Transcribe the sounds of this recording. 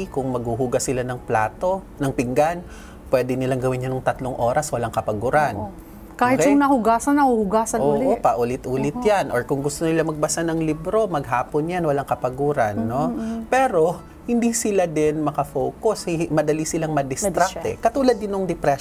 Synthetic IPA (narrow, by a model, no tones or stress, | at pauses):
ikʊŋmɐɡ̚huɦuɡɐsɪlanɐŋpla̰ːt̪o | nɐŋpɪŋɡan | pwɛːd̪ɪnɪlaŋɡɐwɪnjɐnʊŋt̪ɐt̪loŋʔo̞ːɾɐswɐlaŋkɐpɐɡuːɾan | kaːhɪtjʊŋnɐhʊɡaːsɐnːɐhuhʊɡaːsɐoːʔopɐʔʊlɪt̪ʔuːlɪt̪janʔoɹkʊŋɡʊst̪onɪlamɐɡ̚bɐsanɐŋlibɾo̞mɐɡɦaːponjanwɐlaŋkɐpɐɡuːɾɐnːopɛɾo̞ | hɪnd̪isɪlad̪ɛnmɐkɐfowkoshmɐd̪ɐlisɪlaŋmɐd̪ɪst̪ɾakt̪ɛ̰kɐt̪uːlɐd̪̚ːɪnːoŋd̪ɛpɾɛ